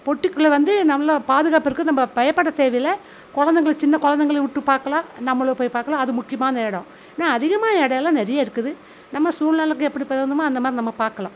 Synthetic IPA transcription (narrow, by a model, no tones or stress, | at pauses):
pɔʈːɪkːɯɭɐʋɐnd̪ɯnɐmːɐɭɐpaːðɯɣaːpɪɾɯkːɯnɐmːɐpɐjɐpːɐɽɐt̪eːʋɐjɪlɐ | kɔɻɐnd̪ɐŋɡɐɭt͡ʃɪnːɐkɔɻɐnd̪ɐŋɡɐɭɐʋɪʈːɯpaːɾkɐɭãːnɐmːɐɭɐpoːjpaːɾkːɐɭãːɐðɯmʊkːɪjɐmaːnɐɛɽɐ̃ | naːɐðɪɣɐmaːnɐɛɽɐjɛlːãːnɛɾɐjaːɪɾɯkːɯðɯ | nɐmːɐsuːɾnaːɭɐkːɯɛpːɐɽipɐɪɾɐnd̪ɯmãːɐnd̪ɐmaːd̪ɾinɐmːɐpaːɾkɐɭãː